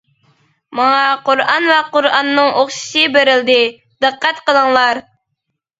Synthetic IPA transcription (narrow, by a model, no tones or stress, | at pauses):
mɑŋɑqoɾɑnvɛqoɾɑnːɨŋʔoχʃi̥sɨbeɾɪld̪ɪ | d̪̥ɨqʰːɛt̪qəlˠəŋlˠɑɾ